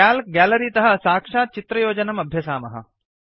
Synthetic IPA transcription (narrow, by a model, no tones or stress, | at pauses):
aːlɡæːlɐɾiːt̪ɐɦɐ̆saːkʂaːt̪̚t͡ʃit̪ɾɐjoːd͡ʒɐnɐmɐbʱjɐsaːmɐɦɐ̰